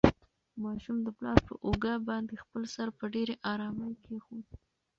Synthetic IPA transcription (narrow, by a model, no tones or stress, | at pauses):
mɑʃumd̪əplɑfpə̰ʔoɡabɑnd̪expəlsaɾpəɖeɾeʔɑɾɑməjkʰexu